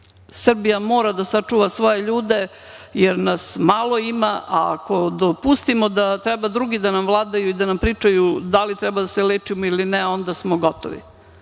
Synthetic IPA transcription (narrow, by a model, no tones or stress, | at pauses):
sr̩bijamo̞ːɾad̪asat͡ʂuːʋasʋo̞jeʎuːd̪e | jeɾnasmalˠoimaʔaa̰ko̞d̪opust̪imod̪at̪ɾɛbad̪ɾuɡid̪anamvlˠaːd̪ajuid̪anampɾiːt͡ʂajud̪alit̪ɾɛbad̪aseleːt͡ʃimoilineo̞nd̪asmoɡo̞t̪o̰ʋḭ